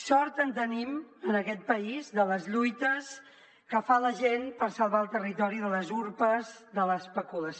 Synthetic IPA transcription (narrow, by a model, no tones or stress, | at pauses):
sɔɾt̪ənt̪ənimənəkɛt̪̚pəizðələzʎujt̪əs | kəfaləʒenpəɾsəlˠβaəlˠt̪ərit̪ɔɾiðələzuɾpəzðələspəkuləs